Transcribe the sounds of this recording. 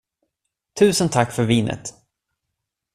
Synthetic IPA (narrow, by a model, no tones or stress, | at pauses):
t̪ʰʉ̟ːsənt̪ʰakːfœɾviːnʔə̰t̪